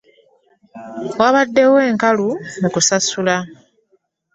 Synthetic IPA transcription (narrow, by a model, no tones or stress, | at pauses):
waβadːe̞we̞ːŋkalumukusasula